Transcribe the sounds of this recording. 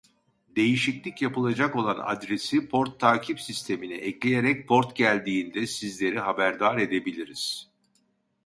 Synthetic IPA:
d̪e̞jiʃiclʲicjapɯlˠad͡ʒako̞lˠana̰d̪ɾe̞sipʰo̞ɾt̪ʰːaːcʰipsist̪ʰe̞miniʔɛclʲe̞jeɾɛc̚pʰo̞ɾt̪ɟælʲd̪iːnd̪ɛsizlʲe̞ɾiɦabæɾd̪aːɾe̞d̪e̞bilʲiɾiz̥

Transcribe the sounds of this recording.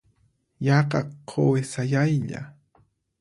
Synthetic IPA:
jɑqɑqʰːowesajajʎa̰

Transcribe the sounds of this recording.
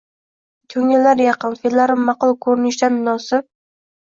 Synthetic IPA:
kʲʰɵŋɪlːaɾjɑqɨnfelaɾɪmːɑqʊlˠkʰɵɾɪnɪʃd̪anmʊnɒsɪp̚

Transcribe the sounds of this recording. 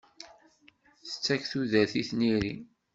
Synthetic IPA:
θə̥t͡sːæçθuðæθiθniɾi

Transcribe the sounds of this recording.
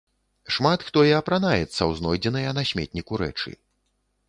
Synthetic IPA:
ʂmat̪xt̪ɔjɛɐpɾanajɛt̪sːɐwznɔjd͡zʲɛnɨjɐnasʲmʲɛ̰t̪̚ʲnʲikuɾɛ̰t͡ʂɨ̰

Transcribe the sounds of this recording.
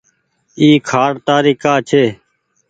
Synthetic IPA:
iːkʰaːɽt̪aːɾiːkaːt͡ʃʰeː

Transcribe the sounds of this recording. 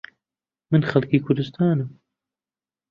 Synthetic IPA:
mɨnxalˠkiːkʰʊɾd̪ʊst̪ʰaːnɨm

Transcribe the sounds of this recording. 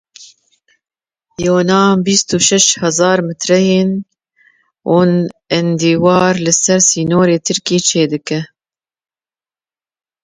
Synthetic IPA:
joːnɑːbist̪uːʃɛʃhɛzɑːɾmɨt̪ɾɛjeːn | ʔoːnɛnd̪iːwɑːɾlɨsɛɾsiːnoːɾeːt̪ʰɨɾkiːt͡ʃʰeːd̪ɨkɛ

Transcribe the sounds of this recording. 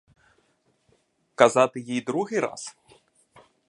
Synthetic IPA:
kazat̪ɨjijd̪ɾuɣʲɨɾa̰s

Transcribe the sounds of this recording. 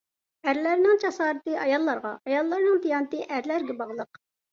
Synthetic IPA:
æɾlæɾnɪŋt͡ʃʰɑsɑːɾɨt̪ɨʔɑjɑlˠːɑɾʁɑ̰ɑjɑlˠːɑɾnɨŋt̪ijɑnɨt̪ɨʔæɾlæɾɡʲɛbɑʁlˠəq

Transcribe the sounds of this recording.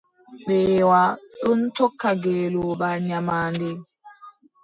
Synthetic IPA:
ɓeːwaəntɔkːaɡelobaɲamandi

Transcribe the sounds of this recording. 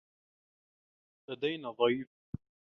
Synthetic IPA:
lad̪ajnaðˤɑjf

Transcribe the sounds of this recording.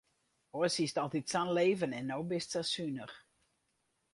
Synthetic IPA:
oəsistɔlˠtitsanleːvənɛnːowbɪstsasynəx

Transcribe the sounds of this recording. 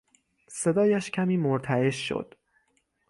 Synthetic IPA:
se̞d̪ɒːjæʃcʰæmiːmoɾt̪ʰæeʃːo̰d̪̥

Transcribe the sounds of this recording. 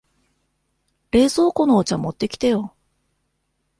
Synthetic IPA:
ɾe̞ːzo̞ːko̞noːt͡ɕamo̞t̪ːe̞kʲi̥t̪ejo̞

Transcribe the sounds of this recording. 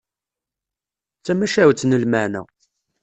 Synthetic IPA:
t͡sːæmæʃæwt͡sːnəlmæʕnæ̰

